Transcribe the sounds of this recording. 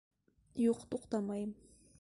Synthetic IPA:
joχt̪oqt̪amaj

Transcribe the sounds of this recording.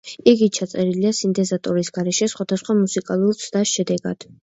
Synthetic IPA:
iɡit͡ʃʰat̪sʼɛɾiliasint̪ʼɛzat̪ʼɔɾisɡaɾɛʃɛsχwad̪asχwamusikʼalˠuɾt̪sʰd̪aʃɛd̪ɛɡad̪̥

